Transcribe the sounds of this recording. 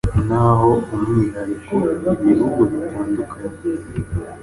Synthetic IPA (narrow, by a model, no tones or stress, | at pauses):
naɦoumiiɾaɾikoiβihuɡuβitaːndukʰaɲe